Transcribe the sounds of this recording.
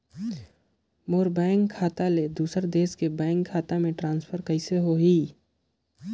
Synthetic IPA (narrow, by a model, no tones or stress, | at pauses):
moːɾbɛ̃ːŋkʰːaːt̪aled̪uːsəɾd̪eːskebɛ̃ːŋkʰːaːt̪amẽʈɾãːnspʰəɾkəɪseɦoɦiː